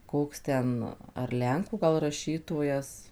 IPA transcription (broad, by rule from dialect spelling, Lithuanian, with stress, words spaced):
ˈkoːks ˈtʲɛn ɐr ˈlʲɛŋkuː ɡɐlˠ rɐˈʃʲiːtoːjɛs